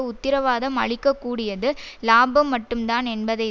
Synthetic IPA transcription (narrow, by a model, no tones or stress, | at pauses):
ʊt̪ːɪɾɐʋaːðɐmɐ̰ɭɪkːɐkːuːɽɪjɐðɯlaːbɐmːɐʈːɯmt̪aːnɛnbɐðɐɪ